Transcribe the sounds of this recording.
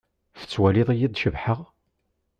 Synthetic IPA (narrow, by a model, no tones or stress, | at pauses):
fə̥t͡sːwælɪðˤijid̪ˤʃəvħəʁ